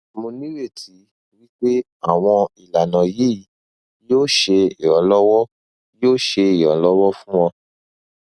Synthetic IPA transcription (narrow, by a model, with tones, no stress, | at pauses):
mõ˧nĩ˦we˦˨tʰi˨˦ | wi˦k͡pe˦ | a˦˨w̃ɔ̃˧i˨la˨nã˨ji˨˦˨ | joː˦˨ʃe˧i˨ɔ˨˦lɔ˦wɔ˦ | joː˦˨ʃe˧i˨ɔ˨˦lɔ˦wɔ˦fũ˦wɔ̃˧